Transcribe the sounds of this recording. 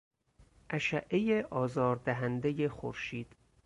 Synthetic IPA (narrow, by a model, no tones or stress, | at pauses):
ʔæʃæʔːejeʔɒːzɒːɾd̪æɦænd̪ejexo̰ɾʃiːd̪̥